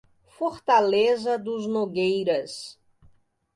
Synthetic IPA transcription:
foɾt̪alezɐd̪ʊznoɡejɾɐs

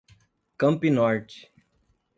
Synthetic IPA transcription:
kɐ̃mpinɔɾt͡ʃ

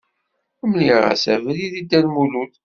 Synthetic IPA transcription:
æmniʁæ̰sævliðid̪ːælmulut̪

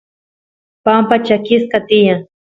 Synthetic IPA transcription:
pampat͡ʃakɪskat̪ɪjaŋ

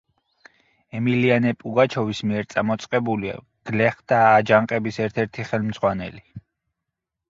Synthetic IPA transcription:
ɛmilianɛpʼuɡat͡ʃʰɔvismiɛɾt̪sʼamɔt̪sʼqʼɛbulia̰ | ɡ̥lɛχd̪̥aːd͡ʒaŋqʼɛbisɛɾt̪ʰɛɾt̪ʰiχɛlmd̪zʁwanɛ̰li

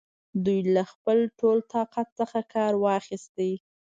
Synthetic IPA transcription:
d̪ujlaxpəlʈolt̪ɑqat̪̚səxakʰɑɾwɑxist̪ej

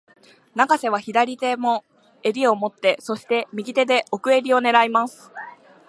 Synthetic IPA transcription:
naɡase̞β̞açid̪aɾʲit̪e̞mo̞ | e̞ɾʲio̞mo̞t̪ːe̞so̞ɕi̥t̪e̞mʲiɡʲit̪e̞d̪e̞ʔo̞kɯ̟e̞ɾʲio̞ne̞ɾaimasɨ̥

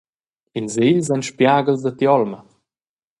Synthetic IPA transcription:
inziʎzanʃpjaːɡəlzd̪at̪jɔlmə

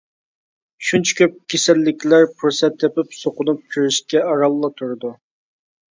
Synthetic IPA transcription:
ʃunt͡ʃʰɛ̥kʲʰøp̚kʲʰesɛlːɪkʲlæɾpʰuɾsɛt̪ʰːepɪpsoqʊnup̚kʲʰyɾiʃkʲɛɑɾɑlˠːɑt̪ʰuɾɨd̪u

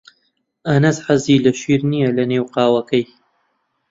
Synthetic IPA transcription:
ʔɐnɐsħaziːlɐʃiːɾnijɐlɐneːwqɑːwɐkɐj

